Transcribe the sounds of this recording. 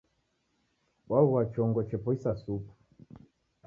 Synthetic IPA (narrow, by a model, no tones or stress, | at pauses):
wauwat͡ʃɔŋɡɔt͡ʃɛpɔisasupu̥